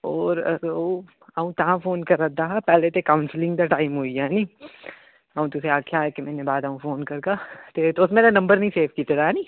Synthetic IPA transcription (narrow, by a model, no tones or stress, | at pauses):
ɔːɾo | ɐũt̪aɦãfoːnkɐɾɐd̪aɦapɛːlet̪ekaːʊnslɪ̃ŋɡd̪aʈaːɪmɦoijaːnĩː | ɐũt̪ʊseaːkʰjaɦɛkemɛ̃ːnebaːd̪ɐũfoːnkɐɾkat̪et̪oʊsmeːɾanɐ̃mbəɾnɐɦĩseːfʰkit̪eɾaɦɛːnĩː